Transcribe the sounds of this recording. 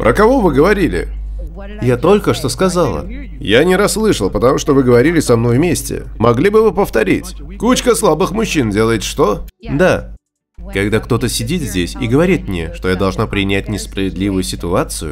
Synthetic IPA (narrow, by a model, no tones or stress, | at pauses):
pɾʔəkɐvo̞vɨɡəvɐɾʲilʲɪ̰ | jat̪o̞lʲkəʂt̪o̞skɐzalˠə̰ | janʲɪɾɐsːlˠɨʂəlˠpət̪ɐmuʂt̪ovɨɡəvɐɾʲilʲɪsɐmno̞jvmʲesʲtʲɪ̰mɐɡlʲibɨvɨpəft̪ɐɾʲitʲkut͡ɕkəslˠabɨxmʊɕːindʲe̞lˠəjɪt̪ʲʂt̪od̪a | kɐɡd̪akt̪o̞t̪əsʲɪdʲit̪zʲdʲesʲiɡəvɐɾʲit̪̚mnʲḛʂt̪o̞jad̪ɐlˠʐnapɾʲɪnʲæt̚ʲnʲɪspɾəvʲɪd̪lʲivʊjʊsʲɪt̪ʊat̪sɨjʊ̰